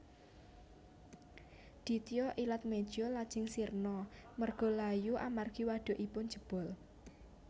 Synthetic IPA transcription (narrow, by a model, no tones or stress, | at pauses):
d̪̥i̤t̪ijɔʔilat̪̚me̥ʒ̥ɔlad̥ʒ̥ɪ̤ŋsirnɔmərɡ̥ɔ̤lajuʔamarɡ̥iwaɖ̥ɔ̤ʔipʊn̥d͡ʒə̤b̥ɔ̤l